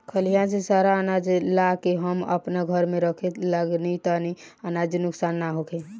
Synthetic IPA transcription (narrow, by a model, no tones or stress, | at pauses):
kʰəlijãsesaɾaənad͡ʒlakeɦəmə̰pnaɡʱəɾmeɾəkʰet̪ləɡnit̪ani | anad͡ʒinʊksaːnːaɦokʰe